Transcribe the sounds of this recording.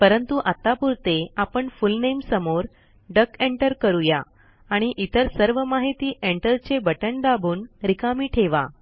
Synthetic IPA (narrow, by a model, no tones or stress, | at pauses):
pəɾənt̪uʔat̪apuɾt̪eapəɳfulnemsəmoɾ | ɖəkeɳʈəɾkəɾuja | aɽ̃iʔit̪əɾsəɾʋəmaɦit̪iːʔeɳʈəɾt͡ɕebəʈəɳd̪abʱuːnɾikamiːʈʰeʋa̰